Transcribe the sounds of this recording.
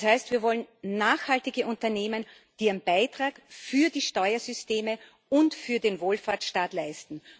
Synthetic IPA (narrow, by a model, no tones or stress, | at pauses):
shaɪstviːɐvɔlənnaːxhaltɪɡəʔʊ̃ntɐneːmən | d̥iːənb̥aɪtʁ̥aːkfyːɐdiːʃtɔʏɐzʏsteːmə | ʊntfyːɐdenvoːlfaːɐtʃtaːtlaɪstn̩